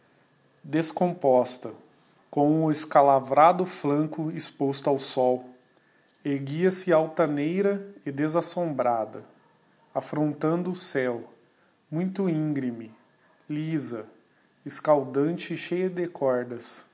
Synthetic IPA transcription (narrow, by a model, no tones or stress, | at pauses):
d̪eskõmpɔst̪ɐ | kõw̃ʊɪskalavɾad̪ʊflɐ̃kʊɪspost̪ʊawsɔw | eɡiɐsɪawt̪ɐnejɾɐɪd̪ezasõmbɾad̪ɐ | afɾõnt̪ɐ̃nd̪ʊːsɛw | mũj̃t̪ʊĩɡɾimɪ | lizɐ | ɪskawd̪ɐ̃nt͡ʃɪʃejɐd̪ɪkʰɔɾd̪ɐs